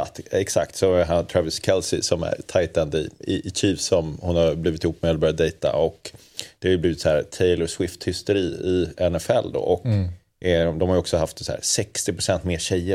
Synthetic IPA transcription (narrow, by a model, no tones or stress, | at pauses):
at̪ɛksa̰kt̪sɔæɾɦant̪ʰɾavəskʰɛlsɪsɔmæ̰ɾt̪ʰajt̪and̪əɪ̰ɪʔɪɕiːvsɔmhʊnhaɾbliːvɪt̪ɪhuːp̚ːmeɛd̪ɛlbœɾd̪d̪ɛjt̪a̰ʔɔk | d̪̥ɛhaɾjʏbliːvɪt̪shæːɾt̪ʰeɪləɾswɪft̪hʏst̪əɾiːɪɛnɛfɛlːd̪o̰ːʔɔk | d̪ɔmhaɾəɔksɔɦaft̪sæ̰ːɾsɛkst̪ɪpɾʊsɛnt̪meːɕɛjːə